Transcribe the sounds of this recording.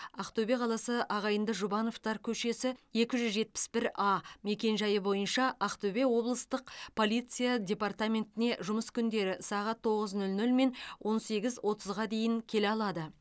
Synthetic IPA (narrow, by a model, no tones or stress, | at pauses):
ɑqt̪obe̞qʰɑlˠɑsəʔɑʁɑjənd̪əʒʊbɑnoft̪ɑɾkʲʰɵʃe̞sɪe̞kʲɪʒʏzʒe̞t̪̚pɪ̥sbɪɾɑme̞kʲe̞nʒɑjəbo̞jənʃɑɑqt̪obe̞wo̞blˠəst̪əqpʰo̞lʲˠijt̪sɨjadʲe̞part̪amʲe̞nt̪ɪne̞ʒʊməskʲʰʏnd̪e̞ɾɪsɑʁɑt̪ʰːo̞ʁəznɵlnɵlme̞nwʔo̞nse̞ɡʲɪzwʔo̞t̪ʰəzʁɑd̪e̞jɪŋkʲʰe̞leɑlˠɑd̪ə